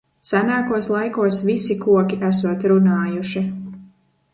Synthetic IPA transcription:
sanaːkuɔslˠajkuɔsvisikuɔkiʔæsuɔt̪ɾunaːjuʃi

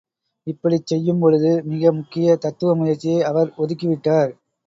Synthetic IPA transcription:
ɪpːɐɽit͡ʃːɛjːɯmpɔɻɯðɯmɪɣɐmʊkːɪjɐt̪ɐt̪ːɯʋɐmʊjɐɾt͡ʃːɪjeːɐʋɐɾɔðɯkːɪʋɪʈːaːɾ

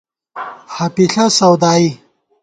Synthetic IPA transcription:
hɐpiɬɐsɐwd̪aːi

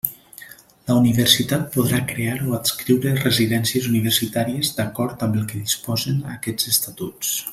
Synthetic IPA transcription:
ləuniβərsit̪at̪̚poðɾakɾeaɾoətskɾiwɾəreziðɛnsiəzuniβ̞ərsit̪aɾiəzd̪akɔɾt̪əmbəlˠkəðispɔzəna̰kɛd͡z̥əst̪at̪us

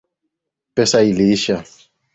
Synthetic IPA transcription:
pʼɛsailiːʃa

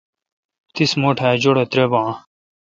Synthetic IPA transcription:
t̪ismoːʈʰɛːd͡ʒoɽet̪ɾebãː

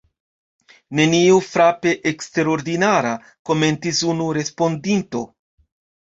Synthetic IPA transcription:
ne̞niufɾape̞ʔekste̞ɾoɾdinaɾa | ko̞me̞ntisunuɾe̞spo̞ndinto̞

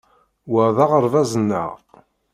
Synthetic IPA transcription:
wəʕðɑʁəɾˤvæzənːə̰ʁ

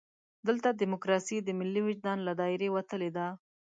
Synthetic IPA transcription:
d̪əlt̪ad̪imokɾɑsid̪əmɪlːiwɪd͡ʒd̪ɑnlad̪ɑɪɾewat̪əled̪a

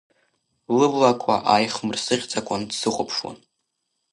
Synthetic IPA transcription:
lɨblakʷʰʼaʔajχmɨrsɨʁʲt͡sʼakʷʼʊndsɨχʷʼʊpʰʂwa̰n

